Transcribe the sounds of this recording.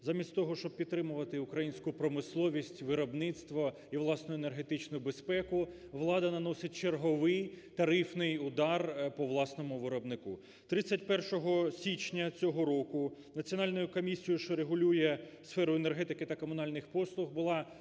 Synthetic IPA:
zɑmʲisʲt̪ʲt̪ɔɦɔʃt͡ʃɔb̚pʲid̪t̪ːɾɪmʊʋɐt̪ɪʊkɾɐjinʲsʲkʊpɾɔmɪslˠɔʋʲisʲtʲʋɪɾɔbnɪt̪st̪ʋɔ | iʋlˠɑsnɔʊene̞rɦet̪ɪt͡ʃnʊjʊbespɛkʊ | ʋlˠɑd̪ɐnɐnɔsɪt̚ʲt͡ʃerɦɔʋɪjt̪ɐɾɪfnɪjʊd̪ɑrpɔʋlˠɑsnɔmʊʋɪɾɔbnɪku | t̪ɾɪt͡sʲːɐtʲpɛrʃɔɦɔsʲit͡ʃnʲɐt͡sʲɔɦɔɾɔkʊnɐt͡sʲiɔnɑlʲnɔjʊkɔmʲisʲijʊʃt͡ʃɔɾeɦʊlʲujɛsfɛɾʊenerɦɛt̪ɪkɪt̪ɐkɔmʊnɑlʲnɪxpɔslˠʊɣbʊlˠɑ

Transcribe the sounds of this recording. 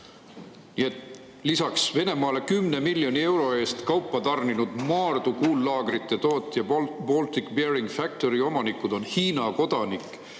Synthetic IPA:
niet̪ | lisɑksve̞ne̞mɑːle̞kymne̞milːjo̞nie̞wɾo̞e̞ːst̪kɑwpːˑɑt̪ɑrninud̪̥mɑːrd̪̥ukuːlːɑːɡ̥rit̪ˑːe̞t̪oːt̪ːˑjɑb̥o̞lt̪ikbeɾiŋɡ̥fæk̚t̪o̞ɾio̞mɑnikːˑud̪̥o̞nhiːnɑko̞d̪̥ɑnikːˑ

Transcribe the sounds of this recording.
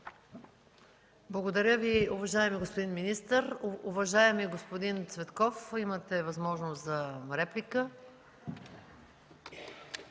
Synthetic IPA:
blˠɐɡod̪ɐɾʲəviʊvɐʒaɛmiɡospod̪inminist̪əɾʊvɐʒaɛmiɡospod̪int̪svɛt̪kɔfimət̪ɛvɐzmɔʒnoszɐɾɛplikə

